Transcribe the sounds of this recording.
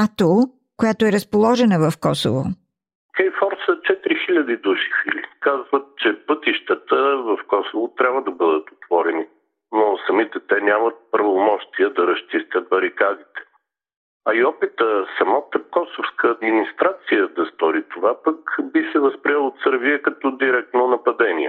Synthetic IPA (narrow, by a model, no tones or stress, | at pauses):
at̪ɔ | kojat̪oɛɾəspolˠɔʒɛnəvɐfkɔso̰vo̰ | kɛjfɔɾsət͡ʃɛt̪ɾixilʲɐd̪id̪uʃi̥filḭkazvət̪̚t͡ʃɛpət̪iʃt̪ət̪əvɐfkɔsovot̪ɾʲabvəd̪ɐbəd̪ət̪o̥t̪vɔɾɛni | nosɐmit̪ɛt̪ɛnʲamɐt̪̚pɾɐvomɔʃt̪iəd̪ɐɾɐʃt͡ʃist̪ət̪̚bɐɾikad̪it̪ɛ̥ | ɐiɔpit̪əsɐmat̪əkɔsofskəːd̪minist̪ɾat̪sijəd̪ɐst̪ɔɾit̪ovapəkbisɛvɐspɾiɛlˠot̪səɾvijəkɐt̪ɔd̪iɾɛk̚t̪nonɐpɐd̪ɛnḭɛ̰